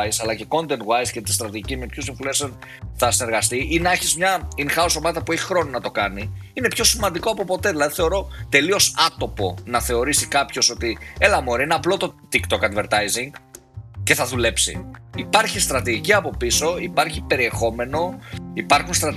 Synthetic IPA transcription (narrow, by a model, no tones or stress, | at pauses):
jsɐlɐce̞ko̞nd̪e̞nwajscet̪i̥st̪ɾɐt̪iʝicimepçosiɱfuleson | θɐsine̞ɾɣɐst̪iʔinɐçizmɲɐinxɐoso̞mɐt̪ɐpue̞çi̥xɾo̞ninɐt̪o̞kɐniine̞pço̞simɐnd̪iko̞ɐpo̞po̞t̪e̞ðilɐðiθe̞o̞ɾo̞t̪e̞lio̞sɐt̪o̞po̞nɐθe̞o̞ɾisikɐpço̞so̞t̪ie̞lɐmoɾiineɐplo̞t̪o̞t̪ikt̪o̞kɐd̪ve̞ɾt̪ɐjziŋɡ | ce̞θɐðule̞psḭipɐɾçist̪ɾɐt̪iʝiciɐpo̞piso̞ipɐɾçipe̞ɾie̞xo̞me̞no̞ipɐɾxunst̪ɾɐt̪